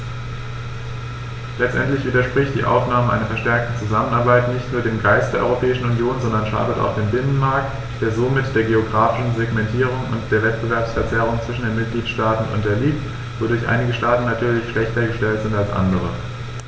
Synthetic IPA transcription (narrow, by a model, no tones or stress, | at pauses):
lɛt͡stʔɛ̰ntlɪçv̥iːdɐʃpʁ̥ɪçt̚d̥ḭːʔa̰ʊfnaːməʔa̰ɪnɐfɛɐʃtɛɐk̚tət͡suzamənaɐbaɪtnɪçtnuːɐdeːmɡaɪstd̥eːɐɔ̰ʏʁopʰɛːɪʃn̩unjoːnzɔndɐnʃa̰ːdəta̰ʊxd̥eːnbɪnənmaɐk̚t | d̥eːɐzomɪtd̥eːɐɡeoɡʁaːfɪʃn̩zeɡmɛntʰiːʁ̞ʊŋʊ̰ntd̥eːɐvɛtb̥əvɛɐpsfɛɐt͡sɛʁ̞ʊŋt͡sv̥ɪʃn̩deːnmɪt̚ɡ̥liːtʃtaːtn̩ʊ̰nt̚d̥eːɐliːk̚t | v̥odʊɐçʔa̰ɪnɪɡəʃtaːtn̩natʰyːɐlɪçʃlɛçtɐɡəʃtɛltz̥ɪntalsʔa̰ndəʁ̞ə